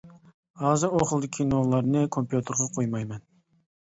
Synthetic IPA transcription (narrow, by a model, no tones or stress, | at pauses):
ɑːzɨoχlˠd̪ɪkʲʰinolˠɑɾnɨkʰompjut̪ʰɨɾʁɑqʰojmɑjmɛn